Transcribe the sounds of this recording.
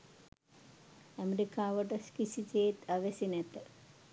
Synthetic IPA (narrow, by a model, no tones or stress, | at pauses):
ɐmeɾikaːʋɐʈɐskisit͡ɕeːt̪ɐʋesinet̪ɐ